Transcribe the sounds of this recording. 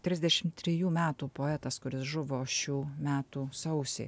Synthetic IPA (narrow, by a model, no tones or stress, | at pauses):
t̪ʲɾʲɪzʲd̪ʲɛʃʲɪmt̪ʲɾʲɪjuːmʲæːt̪uːpoːɛt̪ɐskʊɾʲɪsʒʊʋoːʃʲuːmʲæːt̪uːsɐʊsʲḛː